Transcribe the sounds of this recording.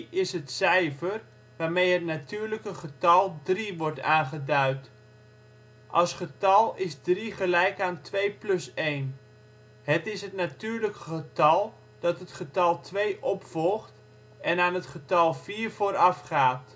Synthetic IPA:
ɪsɦətsɛjfər | ʋaːɹmejɦətnatyːɹləkəχətɑlˠdriʋɔɹtaːnχədœɥt | ʔɑsχətɑlˠɪzdriχəlɛjkaːntʰʋejplɵsejn | hətɪsɦətnatyːrləkəχətɑlˠ | d̥ɑtɦətχətɑlˠtʰʋejʔɔpfɔlˠχt | ʔɛnaːnətχətɑlˠviːrv̥oːɾɑfχaːt

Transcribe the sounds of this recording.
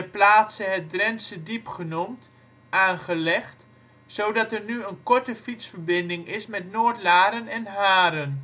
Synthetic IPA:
əplaːtsəɦɛt̚drɛnsədipχənumt | ʔaːnχəlɛχt | sowdɑtɛrnyənkɔɹtəfitsfəɹbɪndɪŋɪsmɛtnoːɹtlaːɾənɛnɦaːɾən

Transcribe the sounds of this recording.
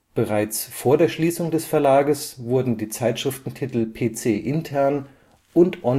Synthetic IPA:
b̥əʁaɪt͡sfoːɐdeːɐʃliːsʊŋdɛsfɛɐlaːɡəsv̥ʊɐdn̩diːt͡saɪtʃʁ̥ɪftn̩tʰitl̩pʰeːt͡seːʔɪntʰɛɐn | ʊntʔɔ

